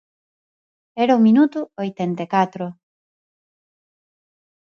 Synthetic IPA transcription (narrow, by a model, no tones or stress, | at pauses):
eɾaumĩnut̪uojt̪ent̪ekat̪ɾo